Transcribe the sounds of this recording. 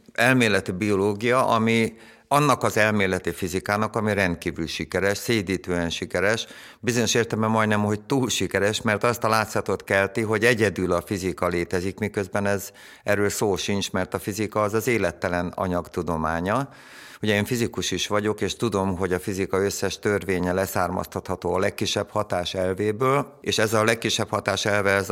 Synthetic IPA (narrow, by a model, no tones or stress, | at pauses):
ɛlmeːlɛt̪ibio̞loːɡijɒʔɒmi | ɒnːɒkɒzɛlmeːlɛt̪ifizikaːnɒkɒmiɾɛnt̪̚kiːvylʃikɛɾɛʃseːd̪iːt̪øːɛnʃikɛɾɛʃ | bizoɲo̞ʃeːrt̪ɛlmɛmɒjd̪nɛmɦo̞c̚t̪uːlʃikɛɾɛʃmɛrt̪ɒst̪ɒlaːt̪sɒt̪ot̪kɛlt̪iɦo̞ɟɛɟɛd̪ylɒfizikɒleːt̪ɛzikmikø̞zbɛnɛz | ɛrːøːlsoːlʃint͡ʃmɛrt̪ɒfizikɒːzɒzeːlɛt̪ːɛlɛnɒ̰ɲɒkt̪ud̪o̞maːɲɒ | huɟɛeːɱfizikuʃiʃʋɒɟo̞keːʃt̪ud̪o̞mɦo̞ɟɒfizikɒø̞sːɛʃt̪ørveːɲɛlɛsaːrmɒ̰st̪ɒt̪hɒt̪oːɒlɛkːiʃːɛphɒt̪aːʃɛlveːbøːleːʃɛzɒlɛkːiʃːɛphɒt̪aːʃɛlvɛɛz